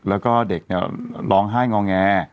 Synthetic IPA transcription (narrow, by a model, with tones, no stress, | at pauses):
lɛː˦˥wkɔː˥˩de˨˩k̚ni˥˩ɐlɔː˧ŋɦaː˥˩jŋɔː˧ŋːɛː˧